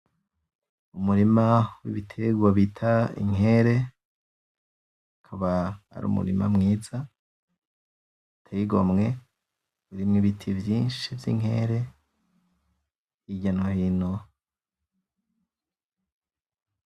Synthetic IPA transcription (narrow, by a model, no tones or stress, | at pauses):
umuɾimawḭβitʰeɡwaβitʰaḭŋɦe̞ɾe̞ | akʰaβa̰ːɾṵmṵɾḭma̰mŋiːza | itʰeiɡwamŋe̞ | uɾimŋiβitʰivjiːnʃivjḭŋɦe̞̰ɾe̞ | iɟanahino